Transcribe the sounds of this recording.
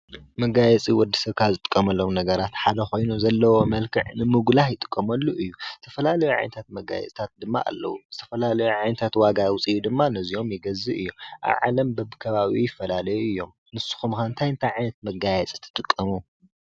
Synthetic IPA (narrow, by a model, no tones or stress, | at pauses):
mɐɡajɛt͡sʼiwɔd̪ːɐ̥sɐβkʰazɨt̪ʼɨ̥kʼːɐmɐlːo̞mnɐɡɐɾat̪ħad̪ɐxo̞jnuzɐlːɐwo̞mɐlkʰɨ̰ʕnɨmɨɡlajɪt̪ʼɨ̥kʼːɐmɐlːuʔɨjːuzɨt̪ʰɐfɐlalɐjuʕa̰jnɐt̪ʰat̪mɐɡa̰jɛ̰t͡sʼt̪ʰat̪̚d̪ɨmːa̰ʔa̰lːɐ̰wuzɨt̪ʰɐfɐlalɐjuʕajnɐt̪ʰat̪waɡawʊt͡sʼijud̪ɨmːanɐzio̞mjɪɡɐzɨʔɨjːo̰mʔa̰βʕa̰lɐmbɐbɨkʰɐβaβijɪfːɐlalɐjuɨjːo̞m | nɨsu̥xumkɐɨnt̪ʰajɨnt̪ʰajʕajnɐt̪̚mɐɡajɛt͡sʼit̪ʰɨ̥t̪ʼɨkʼːɐmu